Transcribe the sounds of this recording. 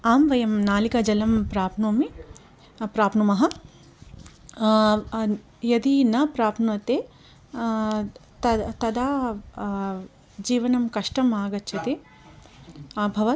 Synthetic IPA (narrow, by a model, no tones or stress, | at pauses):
aːmʋɐjɐmnaːlikad͡ʒɐlɐmpɾaːpnuːmi | pɾaːpnumɐɦɐ | jɐd̪inɐpɾaːpnuɐt̪eː | t̪ɐt̪ɐd̪aː | d͡ʒiːʋɐnɐmkɐʂʈɐmaːɡɐtːt͡ʃʰɐt̪e | aːbʱɐʋɐ